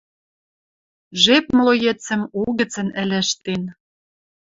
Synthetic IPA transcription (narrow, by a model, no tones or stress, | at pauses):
ʒepmlojĕt͡sɘ̆mulɣɘ̆t͡sə̆nɘ̆lʲɘ̆ʃt̪en